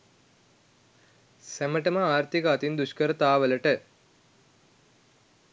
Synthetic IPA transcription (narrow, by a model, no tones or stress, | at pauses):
sæməʈəməaːrt̪ikəɐt̪ind̪uʃkəɾət̪aːʋələʈə